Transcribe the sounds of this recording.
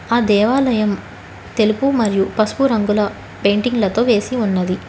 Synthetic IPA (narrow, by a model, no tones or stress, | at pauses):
aːd̪ɛːʋaːlɐjɐm | t̪e̞lupumɐɾijupɐsu̥puɾɐŋɡulɐ | peːɳʈiŋɡlɐt̪o̞ːʋe̞ːsiunːɐd̪i